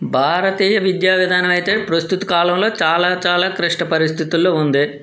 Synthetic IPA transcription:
bʱaːɾɐt̪iːjɐʋid̪jaːʋid̪ʱaːnɐmɐjt̪e̞ːpɾɐst̪ut̪u̥kaːlɐmlo̞ːt͡ʃaːlaːt͡ʃaːlaːkɾiʂʈɐpɐɾist̪ʰit̪ulːo̞ːund̪i

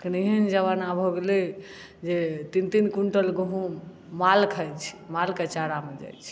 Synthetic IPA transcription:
kniɦənd͡ʒəβanabʱoɡle | d͡ʒet̪int̪inkuɳʈəlɡɦũ | malkʰəjt͡ʃʰmalket͡ʃaɾamed͡ʒa̰jt͡ʃʰ

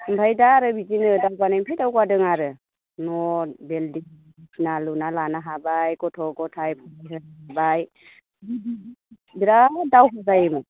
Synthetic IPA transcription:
mbʰajdaɾɯbid͡ʒinɯdawkanɯmpʰajdawkwadɯŋaɾɯ | nɔbeldi | itnalunalanaɦabajkɔtʰɔkɔtʰajpʰɔaɦɯabaj | bidi | biɾadawɦɔzajɯmɯ

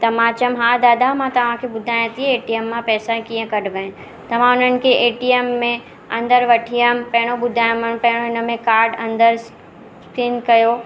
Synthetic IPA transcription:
t̪ɐmãt͡ɕɐmɦaːd̪aːd̪amãt̪ɐʋ̤ãkʰebʊd̪ʱaːjə̃t̪ieeːʈijəmːãpɛːsakijə̃kɐɽʋə̃ | t̪ɐʋ̤ãʊn̤ənɪ̆kʰeʔeːʈijemːẽ | ɐ̃nd̪əɾʋɐʈʰijəmpɐɦɪɽ̃obʊd̪ʱaːjmənpɐɦɪɽ̃oɪnə̆mẽkaːɾɖɐ̃nd̪əɾs | skɾɪnkɐjo

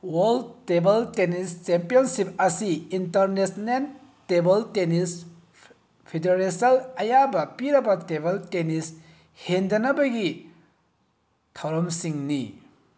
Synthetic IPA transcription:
wɐld̚tebɐltenist͡ʃempijonsip̚ɐsiintɐɾnesnen | tebɐltenis | pʰedeɾesɐlɐjabɐpiɾɐbɐtebɐltenis | hendɐnɐbɐɡi | tʰɐwɾɐmsiŋni

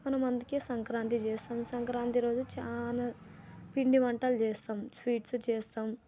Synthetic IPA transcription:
kɐnɐmɐnd̪ikesɐŋkɾaːnt̪it͡ʃɛːst̪aːmsɐŋkɾaːnt̪iɾo̞ːd͡ʒut͡ʃaːnaːpiɳɖimɐɳʈɐlt͡ʃɛːst̪aːmsʋiːʈst͡ʃɛːst̪aːm

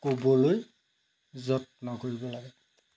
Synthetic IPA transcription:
kobɔloj | zɔt̚nɔkoɹibɔlaɡɛ

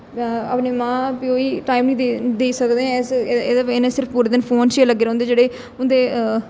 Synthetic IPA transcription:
əpneːmãːpioːiːʈaːimnĩːed̪eːsəkd̪eːɛ̃seːd̪aeːnẽːsɪɾpʰpuːɾeːd̪ɪnpʰoːnt͡ʃeːləɡːeːɾ̃ːnd̪eːd͡ʒeːɽeː | ʊnd̪eː

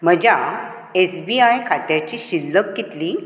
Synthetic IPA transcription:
m̤əd͡ʑa | esbiajkʰat̪jat͡ɕiɕilːəkːit̪liː

